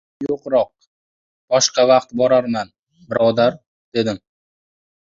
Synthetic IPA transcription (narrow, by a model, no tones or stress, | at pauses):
joqɾɒq̚ | b̥ɒʃqɑvɑqt̪bɒɾaɾman | bɪɾɒd̪aɾ | d̪̥e̞d̪ɪm